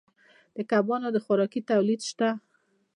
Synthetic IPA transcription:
d̪̥əkabɑnod̪əxʊɾɑkit̪awlid̪ʃt̪a

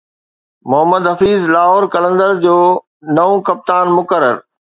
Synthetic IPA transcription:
mʊɦəməd̪ɦɐfiːzlaːɦoːɾkɐlə̃nd̪əɾd͡ʑoː | nɐʋõkɐp̚t̪aːnmʊkəɾə̰ɾ

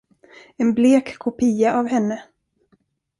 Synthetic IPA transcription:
ɛnbleːkʰːʊpʰiːaʔavhɛnːə

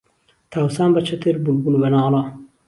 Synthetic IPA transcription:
t̪ʰaːwsaːmbɐt͡ʃʰɐt̪ʰeɾbulbulbɐnaːlɑ

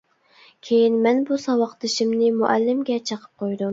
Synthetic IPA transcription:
kʲʰejinmɛnbusɑwɑqt̪ɨʃimnɪmuʔælːɪmɡʲɛt͡ʃʰəqʰə̥p̚qʰojd̪um

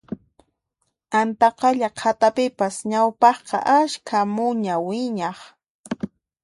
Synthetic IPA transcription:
ant̪ɑqɑʎaqʰat̪apɪpasɲawpɑχqɑ̰ʔaskʰamʊɲawɪɲɑχ

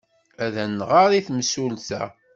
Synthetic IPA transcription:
æðænːʁaɾˤiθməsulθæ̰

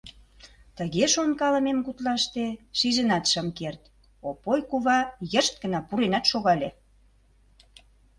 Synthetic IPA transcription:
t̪əɣeʃonkɑləmemkut̪lɑʃt̪eʃiʒənɑt̪ʃəmkert̪ | opojkuβɑjəʃt̪̚ɡənɑpuɾenɑt̪ʃoɣɑlʲe

